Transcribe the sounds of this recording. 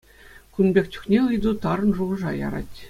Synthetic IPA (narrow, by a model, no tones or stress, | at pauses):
kunbʲek̚ʲtʲu̥kʲnʲeɯjd̪ut̪ɑɾɤ̆nʐuʁɤ̆ʐɑjɑ̰ɾɑ̰tʲ